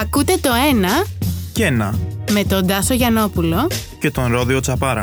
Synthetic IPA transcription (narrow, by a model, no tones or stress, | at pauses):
ɐkut̪e̞t̪o̞e̞nɐcenɐme̞t̪od̪ɐsoʝɐno̞pulo̞ce̞t̪o̞nɾo̞ðio̞t͡sɐpɐɾɐ̰